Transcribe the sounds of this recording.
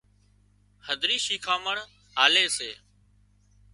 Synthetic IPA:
həd̪ʱɾiːʃiːkʰaːməɳ | ɦaːleːseː

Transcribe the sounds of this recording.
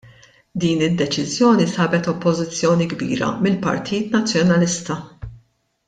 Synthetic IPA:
d̪iːnɪd̪ːɛt͡ʃɪzjɔːnisɐːbɛt̪ɔpːɔzɪt͡sːjɔːniɡbḭːɾɐ̰mɪlpɐ̰ɾt̪ʰiːt̪nɐt͡sːjɔnɐlɪst̪ɐ

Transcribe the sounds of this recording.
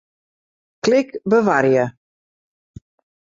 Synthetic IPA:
klɪkbəʋaɾjə

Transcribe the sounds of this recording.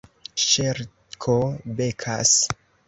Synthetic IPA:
ʃeɾ | kʰobekʰa̰s

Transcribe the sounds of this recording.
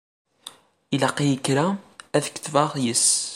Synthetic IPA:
ilɑqːijəkːɾaæðkːθvɑʁjəs

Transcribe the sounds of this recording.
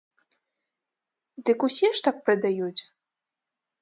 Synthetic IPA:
d̪ɨkusʲiʂt̪ak̚pɾɨd̪ajut͡sʲ

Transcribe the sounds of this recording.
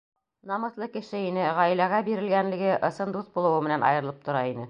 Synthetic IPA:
nɑmɤ̆θlˠɤkɘ̆ʃɘinɘʁæjlæɣæbiɾɘ̆lɡænlɘ̆ɡɘʔɤ̆sɤnd̪uθbulˠɤ̆wɤmɘ̆nænɑ̰jɤ̆ɾɤ̆lˠɤp̚t̪ŏɾɑinɘ

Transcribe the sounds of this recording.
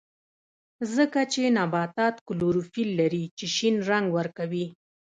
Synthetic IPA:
zəkat͡ʃenɑbɑt̪ɑt̪kʊluɾufilːaɾit͡ʃeʃinɾaŋɡwəɾkawi

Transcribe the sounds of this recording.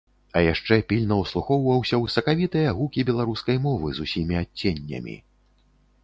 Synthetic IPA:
ɐjaʂt͡ʂɛpʲilʲnɐwslˠuxɔwvɐwsʲɐwsɐkavʲit̪ɨjɐɣukʲibʲɛlˠaɾuskɐjmɔvɨzusʲimʲiat͡sʲːenʲːɐ̰mʲḭ

